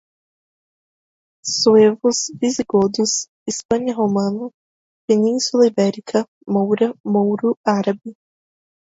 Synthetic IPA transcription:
soevʊszviziɡod̪ʊs | ispɐ̃ɲɐɦomɐ̃nɐ | penĩnsulɐibɛɾikʰɐ | mowɾɐmowɾuaɾɐbɪ

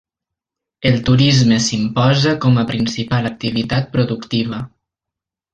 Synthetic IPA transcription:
elˠt̪uɾizmesimpɔzakɔməpɾinsipalək̚t̪iβit̪at̪̚pɾuðukt̪iβə

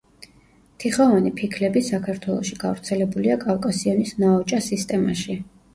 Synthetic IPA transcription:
t̪ʰiχavanipʰikʰlɛbisakʰaɾt̪ʰwɛlˠɔ̰ʃiɡ̥avɾt̪sʰɛlɛbuliakʼafkʼasiɔnisnaɔt͡ʃʼasist̪ʼɛma̰ʃi

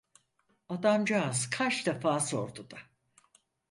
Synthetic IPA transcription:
ad̪amd͡ʒaːzkʰat͡ʃd̪efaːso̞ɾd̪ud̪a

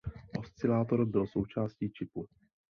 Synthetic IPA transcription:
ʔo̞st͡sɪlaːt̪o̞ɾbɪlso̞wt͡ʃaːsciːt͡ʃɪpu

